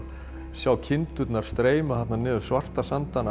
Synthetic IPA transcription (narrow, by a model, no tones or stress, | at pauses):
sjaːwcʰɪnt̪ʏt̪naɾ̥st̪ɾeːjmʏθat̪nanɛːðʏsvar̥t̪asant̪ana